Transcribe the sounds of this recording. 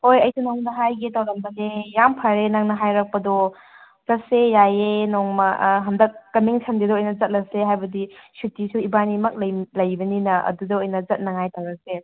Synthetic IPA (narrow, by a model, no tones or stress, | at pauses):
hojɐjsunɐŋdɐɦajɡetawlɐmbɐnejampʰɐɾenaŋnɐɦajɾɐk̚pɐdɔ | zɐsejajenoŋmɐɦɐmdɐk̚ːɐmiŋsʰɐnɡedɐojnɐzɐt̚lɐseɦajbɐdisutːisuibanimɐk̚lɐjlɐjbɐninɐʔɐ̰dudɐojnɐzɐt̚nɐŋajtawɾɐk̚se